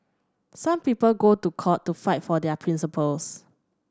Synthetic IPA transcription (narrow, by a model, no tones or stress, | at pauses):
sãmpipəlɡotukʰɔtːufaɪtfɔdɛəpʰɹĩnsipʰəls